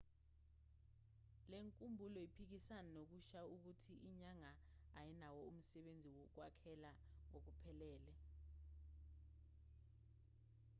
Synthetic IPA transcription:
leŋkʼumbʱulɔjipʰik̬isananok̬uʃauk̬utʰiʔːɲaŋaː | jinawɔum̩sɛɓend͡zʱiwok̬wakʰɛla | ŋok̬upʰɛlɛːlɛ

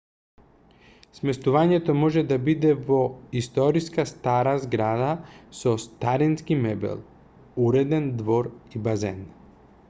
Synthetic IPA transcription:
smɛst̪uvaɲɛt̪ɔmɔʒɛd̪abid̪ɛvɔist̪ɔɾiskast̪aɾazɡɾad̪asɔst̪aɾinskimɛbɛ̰lˠ | uɾɛd̪ɛnd̪vɔɾibazɛn

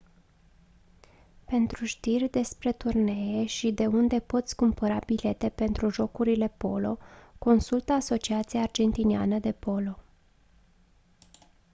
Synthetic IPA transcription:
pe̞nt̪ɾuʃt̪irʲd̪e̞spɾe̞t̪urne̞eʃid̪e̞und̪e̞po̞t̪sʲkumpəɾabile̞t̪e̞pe̞nt̪ɾuʒo̞kuɾile̞po̞̰lo̞̰ko̞nsult̪əaso̞t͡ʃiat̪siaːrd͡ʒe̞nt̪inea̰nəd̪e̞po̞lo̞

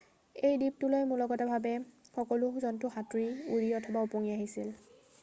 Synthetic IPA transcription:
ejdip̚tʊlojmulɔɡɔtabʱabɛxɔkɔlʊzɔntʊxatɹiuɹiɔtʰɔbaupoŋiaɦisil

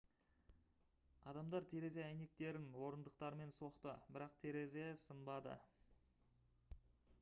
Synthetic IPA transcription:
ɑd̪ɑmd̪ɑɾt̪ʰe̞ɾe̞z̬e̞æjne̞k̚t̪e̞ɾɪnwo̞ɾənd̪əqt̪ɑɾme̞nso̞qt̪əbɪɾɑqt̪ʰe̞ɾe̞ze̞sənbɑd̪ə̰

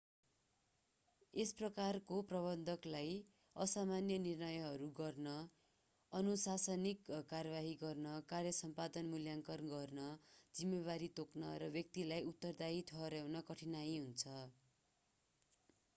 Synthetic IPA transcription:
esprʌkarkoprʌβʌnd̪ʱʌklaj | ʌsamanjʌnirnʌjʌɦʌɾuɡʌrnʌ | ʌnusasʌnikkːarbaɦiɡʌrnʌkarjʌsʌmpad̪ʌnmuljaŋkʌrɡʌrnʌd͡zimːeβaɾit̪oknʌɾʌbjʌk̚t̪ilajut̪ːʌrd̪ait̪ʰʌɾjawnʌkʌʈʰinajɦunt͡sʰʌ

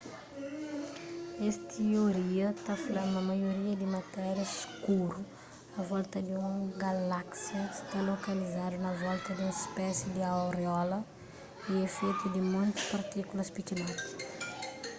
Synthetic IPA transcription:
est̪ioɾiɐt̪afudamɐmɐjoɾiɐd̪ɪmɐt̪ɛɾjɐskuɾu | ɐvɔlt̪ɐd̪iũɡɐlaksjɐst̪alokɐlizad̪unɐvɔlt̪ɐd̪ũispɛsid̪iawɾeɔlɐ | iefɛjt̪ud̪ɪmõnt̪u̥spɐɾt̪ikulɐspikinais

